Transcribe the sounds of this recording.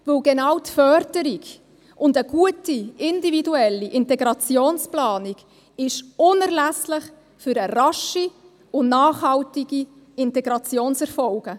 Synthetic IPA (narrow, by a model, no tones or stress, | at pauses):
vɪlɡɛnɑwtfœɾdəɾiɡ | ʔʊndəɡ̥uətiɪndividuɛlːiʔɪnteɡɾɑt͡sjoːnsplɑːniɡ̥ | ɪʃʊnɛɾlæslɪχ | fʏɾərɑʃi | ʊnnɑːχhɑltiɡ̥i | ɪntɛɡɾɑt͡sjoːnsɛɾfɔlɡ̥ə